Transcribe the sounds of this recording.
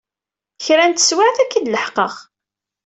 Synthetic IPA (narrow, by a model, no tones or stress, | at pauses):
çɾænt̪ə̥swaʕθækːəd̪ləħqəʁ